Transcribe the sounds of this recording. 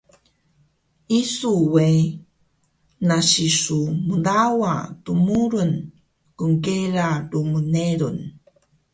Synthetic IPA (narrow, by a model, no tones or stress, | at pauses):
isuwej | naɕisumudawatumuɾun | kuŋkeɾadumuneɾun